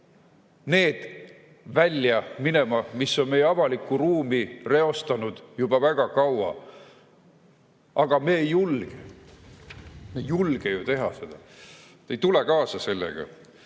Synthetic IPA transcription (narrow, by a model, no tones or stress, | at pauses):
ne̞ːd̪̥ | vælʲːjɑmine̞mɑmisːo̞nme̞jeɑvɑlikːˑuruːmire̞o̞st̪ɑnud̪̥jub̥ɑvæɡ̥ɑkɑwɑ̰ | ʔɑɡ̥ɑme̞ːjulɡ̥e | mejulɡ̥ejut̪e̞ɦɑse̞d̪̥ɑ | t̪ejt̪ulekɑːsɑse̞lːḛɡ̥ɑ̰